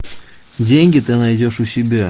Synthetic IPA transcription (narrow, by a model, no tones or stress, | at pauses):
dʲeŋʲɡʲɪt̪ɨnajdʲoʂusʲɪbʲe